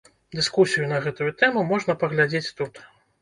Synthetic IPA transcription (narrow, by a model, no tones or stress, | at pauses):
d̪ɨskusʲijun̪ɐɣɛt̪ujut̪ɛmumɔʐnɐpɐɣlʲad͡zʲet͡sʲt̪ut̪